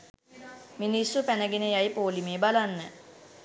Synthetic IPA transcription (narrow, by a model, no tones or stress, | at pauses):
minisupænəɡenəjajpoːlimeːbalanːə